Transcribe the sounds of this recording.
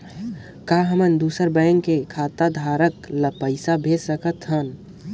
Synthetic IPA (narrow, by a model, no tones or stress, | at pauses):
kaɦəmənd̪usəɾbəjəŋkekʰat̪ad̪ʱaɾəkləpəɪsabʱessəkət̪ɦən